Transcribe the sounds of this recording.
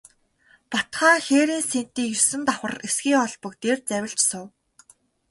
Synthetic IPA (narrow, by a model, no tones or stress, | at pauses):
pɔt̪χaːxeːɾiːnsen̥t̪iːkjɵsɘ̆nt̪aχə̆resɡiːŋɔɮpɞ̆kt̪ert͡sæwʲɪ̆ɬt͡ɕsʊw